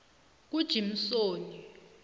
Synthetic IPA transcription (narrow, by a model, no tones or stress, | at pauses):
k̬ud̥ʒ̥ʱim̩soːni